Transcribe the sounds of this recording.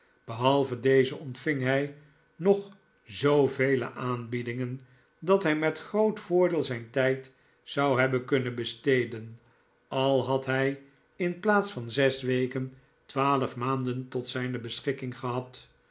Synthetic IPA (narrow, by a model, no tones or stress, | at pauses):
b̥əɦɑlˠvədejzəɔntfɪŋɦɛj | nɔχ | zowvejlə̰ʔaːnbidɪŋən | dɑtɦɛjmɛtχrowtfʊːɹdɪːlˠzɛjntɛjt | sɑwɦɛbənkɵnənbəstejdən | ɑlˠɦɑtɦɛj | ɪnplaːtsfɑnzɛsʋejkən | tʋaːləfmaːndəntɔtsɛjnəbəsχɪkɪŋχəɦɑt